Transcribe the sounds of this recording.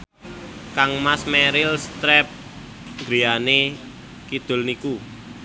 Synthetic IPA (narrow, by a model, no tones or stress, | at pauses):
kaŋmasmɛɾɪlst̪ɾɛp̚ | ŋɡɾiane | kid̪̥ʊ̤lniku